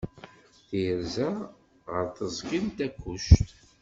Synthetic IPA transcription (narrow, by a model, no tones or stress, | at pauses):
θijəɾzæ | ʁəɾθəzˤkint̪ækːuʃt̪